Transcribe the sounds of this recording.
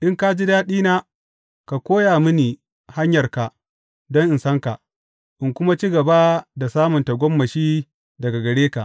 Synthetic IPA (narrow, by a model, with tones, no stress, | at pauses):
ʔɪ˦ŋka˦d͡ʒi˦daː˦ɗiː˦naː˦ | ka˨kʷoː˦jaː˨mʊ˦niː˨ | ha˦ɲjɐ˨rka˨ʔ | dɔ˦ŋʔɪ˨nsɐ˦ŋka˨ʔ | ʔɪ˨ŋkʷʊ˦ma˦t͡ʃiː˦ɡɐ˨ba˦da˨saː˦mʊ˨nta˨ɡʷɔ˦mːɐ˨ʃiː˦ | dɐ˨ɡa˨ɡɐ˨ɽeː˦ka˨ʔ